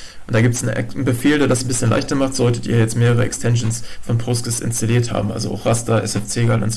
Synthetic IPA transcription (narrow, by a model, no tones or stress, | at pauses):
ʔʊʊntd̥aːɡiːp̚təsn̩̰nbəfeːldeːɐdasn̩bɪsçənlʔa̰ɪçtɐmaχtz̥ɔltətḭːɐjɛt͡stmeːʁəʁ̞əɛ̰kstʰɛnʃn̩sfɔnpʰʁʊskəsɪ̰nstaliːɐtha̰ːbm̩ʔa̰lzo̰ʔa̰ʊxʁastɐʔɛ̰sɛft͡seːɡalʔʊ̰ntz